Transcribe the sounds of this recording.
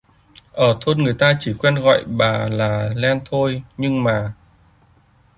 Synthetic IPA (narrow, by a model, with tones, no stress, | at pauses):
ʔəː˧˩t̪ʰo˧nŋɨ˨˩əjt̪aː˧t͡ɕi˧˩kwɛ˧nɣɔ̰˧˨jɓaː˨˩laː˨˩lɛ˧nt̪ʰo˧jɲɨ˧ŋmaː˨˩